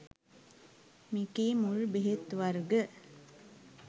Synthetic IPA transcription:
mikeːmuɾbeɦet̪ːʋaɾɡə

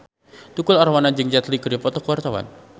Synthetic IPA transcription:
t̪ukʊlaɾawanad͡ʒɨŋd͡ʒat̪likəɾjapɔt̪ɔkəwart̪awa̰n

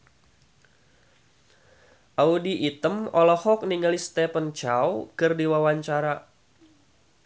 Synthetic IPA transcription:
ʔaudiʔːt̪əmɔlɔhɔk̚niŋəlist̪ɛpənt͡ʃawkɨrdiwawaɲt͡ʃaɾa

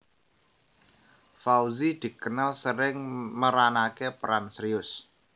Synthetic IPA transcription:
fauzid̪̥i̤kənalsəɾɪŋməɾanakepɾansɾiʊs

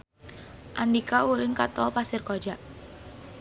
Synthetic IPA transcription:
ʔandikaulɪŋkat̪ɔlpasɪrkɔd͡ʒaʔ

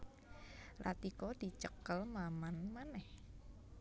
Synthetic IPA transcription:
lʔa̰t̪ikɔd̪̥i̤t͡ʃəkəlmamanmanɛh

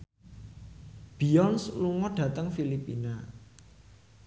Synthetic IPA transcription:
b̥i̤ɔnsluŋɔɖ̥ä̤t̪əŋfilipina

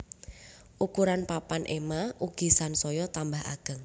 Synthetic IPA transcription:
ʔukuɾanpapanʔemaʔuɡ̥i̤sansɔjɔt̪ambaɦa̰ɡ̥ə̤ŋ

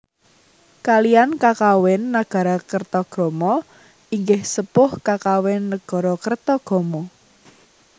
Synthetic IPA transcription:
kalijankakawɪnːaɡ̥a̤ɾakərt̪ɔɡ̥ɔ̤mɔ | iŋɡɪhsəpʊhkakawɪnːəɡ̥ɔ̤ɾɔkərt̪ɔɡ̥ɔ̤mɔ

